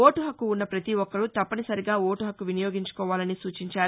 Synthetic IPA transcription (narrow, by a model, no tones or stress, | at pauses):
oːʈuɦɐkːuːnːɐpɾɐt̪iʋɔkːɐɽut̪ɐpːɐnisɐɾiɡaːoːʈuɦɐkːuʋinɐjoːɡiɲt͡ʃu̥kɔːʋaːlɐnisuːt͡ʃiɲt͡ʃaː